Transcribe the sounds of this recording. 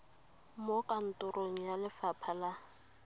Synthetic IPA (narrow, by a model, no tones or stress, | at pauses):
mokʼan̩tʼʊɾoŋ̩jalɪfapʰala